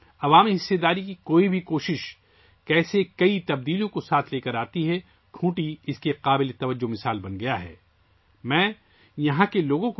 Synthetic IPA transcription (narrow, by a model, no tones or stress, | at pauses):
ɐʋaːmiɦɪsːed̪aːɾikikoːibʱikoːʃɪʃ | kɛːsekɐit̪ɐb̚d̪iːlijõkosaːt̪ʰleːkɐɾaːt̪iɦɛ | ʈʰũːʈiɪskeqaːbɪlet̪ɐʋəd͡ʒːomɪsaːlbɐnɡɐjaɦɛ̰ː | mɛ̃ː | jɐɦãkeloːɡõk